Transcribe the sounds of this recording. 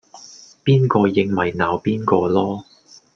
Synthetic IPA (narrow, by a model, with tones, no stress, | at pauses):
piː˥nkɔː˧jɪ˧ŋmɐ˨˩jnaː˨˧wpiː˥nkɔː˧lɔː˥